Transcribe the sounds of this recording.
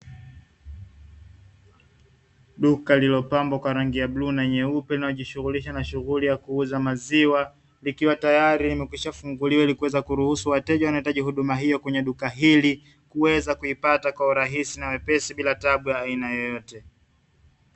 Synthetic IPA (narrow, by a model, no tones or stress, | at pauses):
ɗukalilɔpambɔkwaɾaŋɡijabluːnaiɲɛupɛlinaɔʄiʃuɣuliʃanaʃuɣulijakuuzamaziwa | likiwatajaɾilimɛkwiʃafuŋɡuliwailikuwɛzakuɾuhusuwatɛʄawanaitaʄihuɗumaɦijɔkwɛɲɛɗukaɦili | kuwɛzakuipatakwauɾaɦisinawɛpɛsiɓilataɓujaːinajɔjɔtɛ